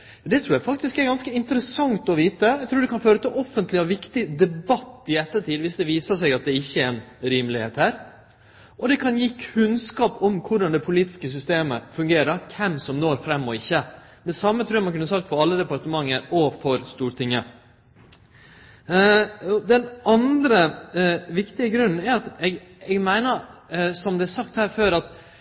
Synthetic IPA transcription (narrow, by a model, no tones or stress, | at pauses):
d̪ɛt̪ʰɾʉːjæfɑk̚t̪ɪskɛɾɡɑnskəɪnt̪əɾəsɑŋt̪ɔʋiːt̪əɛɪt̪ʰɾuːɖ̪ɛkɑnføːɾət̪ɪlʔɔfənt̪lɪɔʋɪkt̪ɪd̪ɛbɑt̪ːɪɛt̪ːəʈiːd̪ʋɪsd̪ɛʋiːsəsɛɡɑt̪̚d̪ɛɪçːəɛnɾiːmlɪheːt̪hæːɾ | ʔɔd̪ɛkʰɑnjiːkʰʉnskɑːpɔmkʰʊɖɑnd̪ɛpʰʊliːt̪ɪ̥skəs̬ʏst̪eːməfʉŋɡeːɾəɾkʰɛmsɔmnoːɾfɾɛmːɔɪçːə | d̪ɛsɑmːət̪ʰɾʉːɑɾmɑnkʉnəs̬ɑk̚t̪fɔɾɑlːəd̪ɛpɑɾt̪əmɑŋːəɾɔfɔɾst̪uːɾt̪ʰɪŋːə | d̪ɛnɑnd̪ɾə | ʋɪkt̪ɪəɡɾʉnn̩ɛɾɑt̪ɛɡ | ɛɡmæɪnəɾsɔmd̪ɛæɾsɑkt̪hæːɾføːɾɑt̪